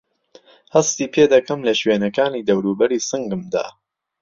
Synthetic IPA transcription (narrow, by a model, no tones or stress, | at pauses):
hɐst̪iːpʰed̪ɐkɐmlɐʃweːnɐkaːniːd̪ɐwɾuːbɐɾiːsɨŋɡɨmd̪a̰ː